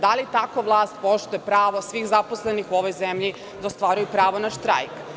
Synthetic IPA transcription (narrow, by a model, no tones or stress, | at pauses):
d̪alit̪akoʋlˠaːst̪̚po̞ʃt̪ujepɾaːʋosʋiːxzaposlenixuoʋojzemʎi | d̪aost̪ʋaːɾujupɾaːʋonaʃt̪ɾa̰jk